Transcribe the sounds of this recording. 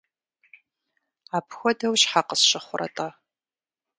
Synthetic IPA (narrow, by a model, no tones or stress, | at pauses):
aːpʰxʷɔdɐwɕħaqəsʃɪχʷʊrʔɐ̰tʼɐ